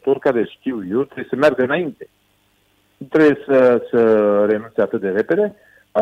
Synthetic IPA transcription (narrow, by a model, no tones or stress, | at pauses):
t̪oɾkad̪eskʲiwjot̪ɾejsəmʲaɾɡənaint̪e | t̪ɾeesəsəɾenũnt͡sat̪ɨd̪eɾeped̪e